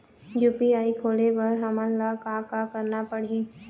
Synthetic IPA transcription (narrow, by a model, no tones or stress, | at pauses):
juːpiaːikʰoːlebɐɾɦɐmənlakakakɐɾnapɐɽ̤ĩ